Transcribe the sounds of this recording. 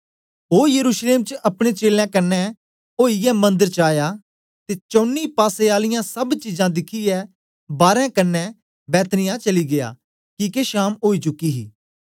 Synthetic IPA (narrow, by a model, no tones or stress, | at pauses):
oːjəɾuːʃleːmt͡ʃəʔɐpɽ̃et͡ʃeːlãːkɐnːɛ | oːijɛmɐ̃nd̪əɾt͡ʃaːjaː | t̪eːt͡ʃɔ̃ːnːiːpaːseaːlɪjãsɐbt͡ʃiːzãːd̪ɪkʰiɛː | baːɾɛ̃kɐnːɛ | bɛːt̪nɪjãt͡ʃɐliɡɪja̰ː | kiːkeʃaːmoːit͡ʃʊkːiɦḭː